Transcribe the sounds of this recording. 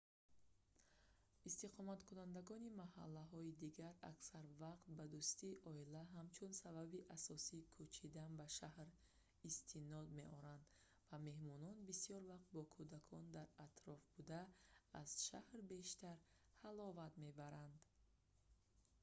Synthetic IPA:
ist̪iqʰɔmat̪kʰunand̪aɡɔnimaɦa̰lːaɦɔid̪iɡaɾa̰ksaɾvaqt̪̚bad̪ust̪iʔɔilaɦamt͡ʃʰunsababiʔasɔsiːkʰut͡ʃʰid̪anbaʃahɾ | ist̪ʰinɔd̪me̞ʔɔɾand̪ | vame̞hmɔnɔnbisijɔɾvaq̚t̪̚bɔkʰud̪akʰɔnd̪aɾat̪ɾɔfbud̪aːz̥ʃahɾbe̞ʃt̪aɾ | halɔvat̪me̞baɾand̪

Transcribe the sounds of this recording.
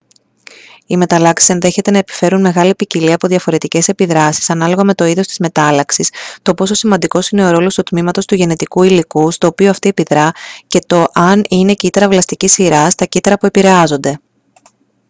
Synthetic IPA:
ime̞t̪ɐlɐksi̥se̞nðe̞çe̞t̪e̞nɐepi̥fe̞ɾunme̞ɣɐlipiciliɐpo̞ðʝɐfo̞ɾe̞t̪ice̞se̞piðɾɐsi̥sɐnɐlo̞ɣɐme̞t̪o̞iðo̞st̪i̥zme̞t̪ɐlɐksist̪o̞po̞so̞simɐnd̪iko̞sine̞o̞ɾo̞lo̞st̪ut̪mimɐt̪o̞st̪uʝe̞ne̞t̪ikuilikust̪o̞ːpio̞ɐft̪iepiðɾɐce̞t̪o̞ʔɐnine̞cit̪ɐɾɐvlɐst̪icisiɾɐst̪ɐcit̪ɐɾɐpuepiɾe̞ɐzo̞nd̪e̞

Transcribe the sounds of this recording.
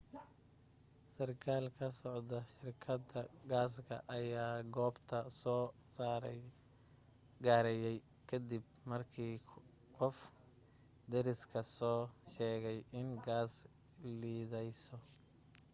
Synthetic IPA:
sɐrkʰaːlkʰɐsɔʕd̪ɐʃɪrkʰɐd̪ɐɡaːs̬kʰɐ̰ʔɐjaːɡɔːbt̪ʰɐsɔːsaːɾɛ | ɡaːɾɛjɛj | kʰɐd̪ib̚ | mɐrkʰiː | qɔf | d̪ɛɾɪskʰɐsɔːʃɛːɣɛjʔɪnɡaːs | liːðɛjsɔ

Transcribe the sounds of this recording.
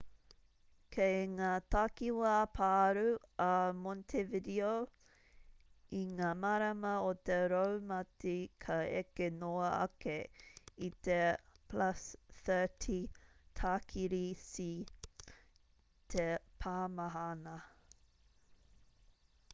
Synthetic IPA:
kʰejŋaːt̪akiwɐpʰaːɾuɐmɔntʰevɪdio | iŋaːmaɾɐmɐot̪eɾowmɐtikʰɐḛkenoɐɐ̰keit̪epʰlɐsθə˞tʰitʰakʰiɾisi | t̪ʰepʰaːmaɦanɐ

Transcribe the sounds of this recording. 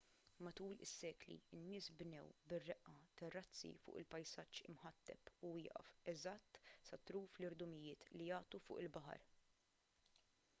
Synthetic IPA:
mɐt̪uːlɪ̰sːɛːklḭɪnːɪːsbnɛwbɪrːɛʔɐt̪ɐrːɐt͡sːḭfʊ̰ːʔɪlpɐjsɐt͡ʃːɪmħɐt̪ːɛ̰puwɪːʔɐ̰fɛzɐt̪ːsɐt̪ɾuːflɪɾd̪ʊmɪjɪːt̪lijɐːt̪ufʊ̰ːʔɪlbɐħɐ̰ɾ

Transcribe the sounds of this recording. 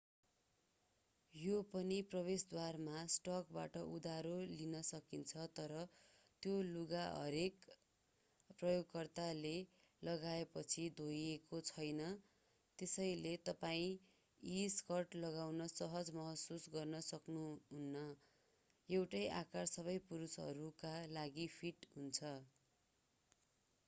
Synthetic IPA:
jopʌniprʌbesd̪warmasʈʌk̚ba̰ʈʌʔud̪aɾolinʌsʌkint͡sʰʌt̪ʌɾʌ | t̪joluɡaɦʌ̰ɾek | prʌjoɡkʌrt̪ale | lʌɡaepʌt͡sʰid̪ʱojekot͡sʰʌjnʌ | t̪esʌjlet̪ʌpaĩ | iskʌrʈlʌɡawnʌsʌɦʌd͡zmʌɦʌsusɡʌrnʌsʌknuɦunːʌ | ewʈʌjʔakarsʌβʌjpuɾusɦʌ̰ɾukalaɡipʰiʈɦunt͡sʰʌ

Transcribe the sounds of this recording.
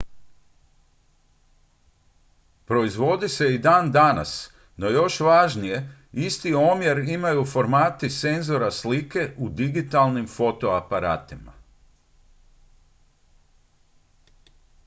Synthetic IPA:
pɾo̞izʋo̞d̪ise̞id̪aːnd̪ana̰s | no̞jo̞ʃʋaʒnije̞ | ist̪io̞mjeɾimajufo̞ɾmaːt̪ise̞nzo̞ɾaslike̞ʔud̪iɡit̪alnimfo̞t̪o̞apaɾa̰ːt̪ima̰

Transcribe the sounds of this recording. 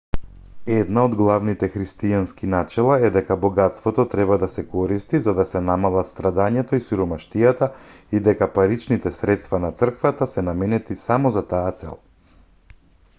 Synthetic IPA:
ɛd̪naod̪ɡlˠavnit̪ɛxɾist̪ijanskinat͡ʃɛlˠaɛd̪ɛkabɔɡat̪st̪vɔt̪ɔt̪ɾɛbad̪asɛkɔɾist̪izad̪asɛnamalˠat̪st̪ɾad̪aɲɛt̪ɔisuɾɔmaʃt̪ijat̪aid̪ɛkapaɾit͡ʃnit̪ɛsɾɛt̪st̪vanat̪sr̩kvat̪asɛnamɛnɛt̪isamɔzat̪aːt̪sɛ̰lˠ

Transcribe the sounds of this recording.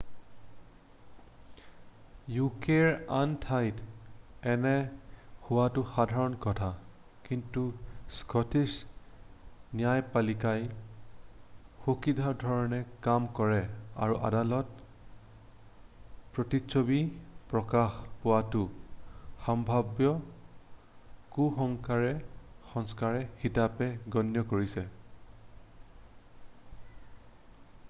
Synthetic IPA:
jukeɹantʰajtɛnɛhʊwatʊxadʱaɹɔnkɔtʰa | kintuskɔtis | nijajpalikaj | xokidʱaɹdʱɔɹɔnɛkamkɔɹɛa̰ɹuʔa̰dalɔt | pɹotiʃobipɹɔkaxpʊwatu | xambʱabjɔ | kuxɔŋkaɹɛxɔŋskaɹɛxitapɛɡɔnjɔkoɹisɛ

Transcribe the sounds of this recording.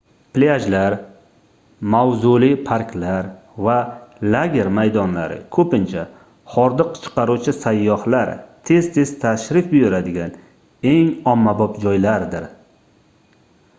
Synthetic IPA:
plead͡ʒlaɾ | mawzulipʰaɾkʲʰlaɾ | valaɡʲe̞ɾmajd̪ɒnla̰ɾɪ̰kʰɵpɪnt͡ʃʰa | hɒɾd̪ɨqt͡ʃʰɨ̥qɑɾut͡ʃʰɪsajːɒhlaɾt̪ʰe̞z̥t̪ʰe̞zt̪ʰaʃɾɪfbʊjʊɾad̪ɪɡʲan | e̞ŋɒmːabɒpd͡ʒɒjlaɾd̪ɪɾ

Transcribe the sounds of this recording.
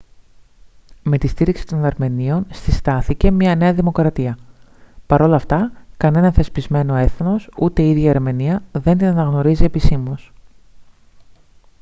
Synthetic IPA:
me̞t̪ist̪iɾiksi̥t̪o̞nɐɾme̞nio̞nstist̪ɐθice̞mɲɐne̞ɐðimo̞kɾɐt̪iɐ | pɐɾo̞lɐft̪ɐkɐne̞nɐθe̞spizme̞no̞e̞θno̞sut̪e̞iðʝɐiɾme̞niɐðe̞nd̪inɐnɐɣno̞ɾizie̞pisimos

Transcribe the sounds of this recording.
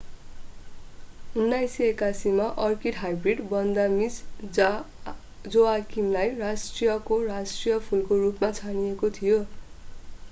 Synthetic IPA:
unːajsekasimaʔʌrkiɖɦajbriɖbʌnd̪amis | d͡zoakimlajrasʈrijʌkorasʈrijʌpʰulkorupmat͡sʰanijekot̪ʰijo

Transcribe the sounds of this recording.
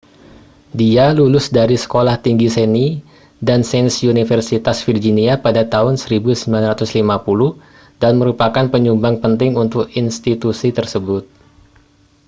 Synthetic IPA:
dialulʊsdaɾisə̥kolaht̪iŋɡiseni | dansɛnsunifərsit̪asfird͡ʒiniapadat̪aɦʊnsəɾibusəmbilanrat̪ʊslimapulʊh | danməɾupakanpəɲumbaŋpənt̪ɪŋunt̪ʊkinst̪it̪usit̪ərsəbʊt̪̚

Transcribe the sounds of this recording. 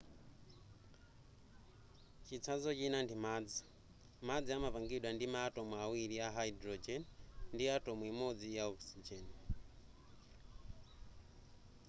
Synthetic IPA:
t͡ʃit͡sʰazɔt͡ʃinandimad͡zi | mad͡ziamapaŋɡiɗwandimatomwawiɾiaɦaidɾɔd͡ʒɛnndiatomwimod͡zijaɔksid͡ʒɛn

